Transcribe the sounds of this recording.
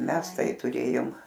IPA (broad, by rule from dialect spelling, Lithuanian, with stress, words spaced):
ˈmʲɛs ˈtɐɪ tʊˈrʲeːjoːm